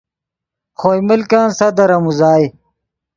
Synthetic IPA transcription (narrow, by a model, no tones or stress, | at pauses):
xoːjmilkãːnsɐd̪ɐɾɐmuzaːj